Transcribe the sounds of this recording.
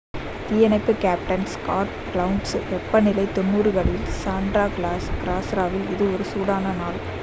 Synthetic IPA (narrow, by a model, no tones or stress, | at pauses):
t̪iːjɐnɐɪpːɯkaːp̚ʈɐnskaːʈɡɭɐʊɳɖsʋɛpːɐnɪlɐɪt̪ɔnːuːɾɯɣɐɭɪlsaːɳɖɾaːɡɭaːsɡɪɾaːsɾaːʋɪlɪðɯɔɾɯsuːɽaːnɐnaːl